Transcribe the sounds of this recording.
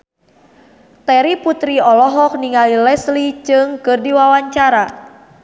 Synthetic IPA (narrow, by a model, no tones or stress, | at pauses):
t̪ɛɾiput̪ɾiɔlɔɦɔk̚niŋalilɛslit͡ʃɨŋkɨrdiwawaɲt͡ʃaɾa